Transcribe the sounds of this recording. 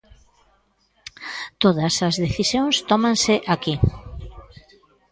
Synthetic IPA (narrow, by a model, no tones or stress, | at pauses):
t̪oðɐsɐzðeθisjoŋst̪ɔmãnsɪʔaki